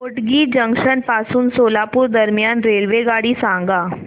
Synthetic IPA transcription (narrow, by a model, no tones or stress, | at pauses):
oʈɡiːd͡ʒə̃ŋkʃənpaːsuːnsoːlapuɾd̪əɾmijanɾelʋeɡaːɽiːsãŋ̆ɡaː